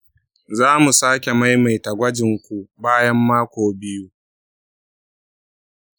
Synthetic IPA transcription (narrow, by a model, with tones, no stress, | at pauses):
zaː˦mu˨saː˦kʲe˨ma˦jma˨jtɐ˨ɡʷɐ˦d͡ʒɪ˨ŋkʷu˨baː˦jɐ˦mːaː˦kʷoː˨bɪ˦juː˦